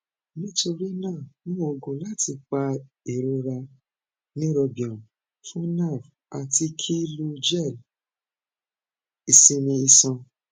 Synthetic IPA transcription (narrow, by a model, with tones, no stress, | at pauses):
nĩ˦to˧ɾi˦nã˦˨nũ˦o˧˨ɡõ˨la˦ti˧k͡pa˧ | e˨ɾo˧ɾa˧ | nĩ˦ɾɔ˧bĩ˨ɔ̃˨ | fũ˦na˦˨f | a˨ti˧kʰi˦lo˦˧d͡ʒɛ˦˨l | i˨sĩ˧nĩ˧i˧sɔ̃˧